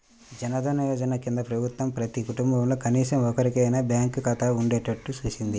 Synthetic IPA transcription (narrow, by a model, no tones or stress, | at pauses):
d͡ʒɛnɐd̪ʱɐnɐʋɐːd͡ʒɐnɐkind̪ɐpɾɐbʱut̪ʋɐmpɾɐt̪ikuʈumbɐmlo̞kɐniːsɐmɔkɐɾikɐjnɐbjaːŋkkɐt̪ɐuɳɖeːʈɐʈːut͡ʃuːt͡ʃind̪i